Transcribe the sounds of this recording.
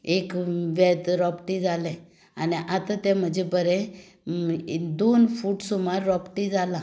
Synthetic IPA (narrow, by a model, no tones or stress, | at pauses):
ekʋɛt̪ɾɔpʈid͡zalɛ̃ | aniʔat̪at̪ɛ̃m̤əd͡ʑebəɾɛ̃ | d̪onfuːʈsumaɾːɔpʈid͡zala